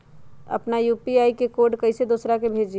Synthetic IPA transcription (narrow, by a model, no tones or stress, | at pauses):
ə̰pnajuːpiaːikekoːɖkəɪsed̪oːsɾakebʱeːd͡ʒ